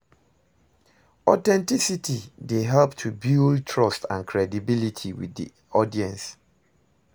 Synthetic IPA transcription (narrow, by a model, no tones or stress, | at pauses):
ɔtɛ̃ntisitideɦɛlptʰubultʰɹɔstã̰nkʰɹɛdibilitʰiwḭðḭ | ɔdiɛ̃ns